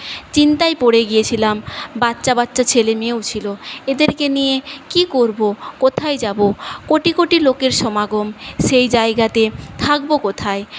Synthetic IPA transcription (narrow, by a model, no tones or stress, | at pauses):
t͡ɕint̪aepoɽeɡijet͡ɕʰilambatːɕabatːɕat͡ɕʰelemewt͡ɕʰiloed̪eɾkenijekikoɾbokot̪ʰajd͡ʑabokoʈikoʈilokeɾʃɔmaɡomʃejd͡ʑaeɡat̪et̪ʰak̚bokot̪ʰae